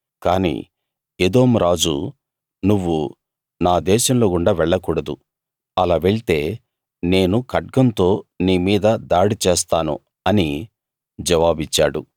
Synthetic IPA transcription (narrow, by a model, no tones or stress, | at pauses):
kaːnḭː | ed̪o̞ːmɾaːd͡ʒṵ | nuʋːu | naːd̪ɛːʃɐmlo̞ːkuɳɖaːʋɛɭːɐkuːɽɐd̪u | ɐlaːʋeɭit̪e̞ː | ne̞ːnukɐʈ̚ɡɐnt̪o̞ːniːmiːd̪ɐd̪aːɽit͡ʃeːst̪aːnṵ | ɐni | d͡ʒɐʋaːbit͡ʃːa̰ːɽṵ